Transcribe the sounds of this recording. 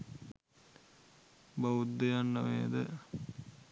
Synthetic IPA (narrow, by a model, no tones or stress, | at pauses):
baud̪ːəjanːəʋeːd̪ə